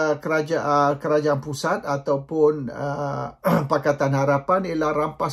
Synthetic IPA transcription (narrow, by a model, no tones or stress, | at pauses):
kəad͡ʒaəkəɾad͡ʒaanpusat̪at̪awpʊnə | pakat̪anhaɾapanilahrampa